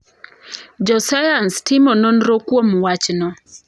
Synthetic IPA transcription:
d͡ʒɔsajanstɪmononɾokwomwat͡ʃnɔ

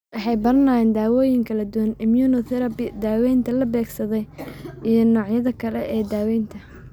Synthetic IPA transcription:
wɑħɑjbɐrɐnaːnd̪aːwɔːjɪŋkʰɐlɐd̪ʊwɐnɪmjuːnɔθɛɾɐbɪd̪aːwɛjnt̪ʰɐlɐbɛːɡsɐðɛjʔijɞnɔːʕjɐðɐkʰɐlɛʔɛːd̪aːwɛjnt̪ʰɐ

